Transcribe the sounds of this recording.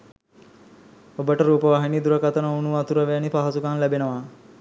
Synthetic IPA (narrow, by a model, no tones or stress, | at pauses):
obəʈəɾuːpəʋaɦinid̪uɾəkat̪ənəunuʋat̪uɾəʋæanipaɦasukanlæbenəʋa